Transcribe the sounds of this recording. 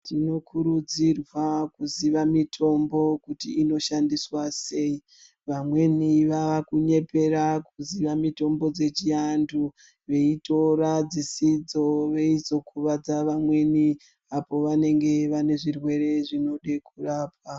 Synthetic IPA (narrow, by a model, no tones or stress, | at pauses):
tino̞kuɾud͡zirwakuziʋamitʰo̞mbo̞kutiːno̞ʃandiswase̞i | ʋamwe̞niʋaʋakuɲe̞pe̞ɾakuziʋamito̞mbo̞d͡ze̞t͡ʃiandu | ʋe̞ito̞ɾad͡zisid͡zo̞ʋe̞izo̞kuʋad͡zaʋamwe̞ni | apo̞ʋane̞ŋɡe̞ʋane̞ʐirwe̞re̞ʐino̞ɗe̞kuraːpwa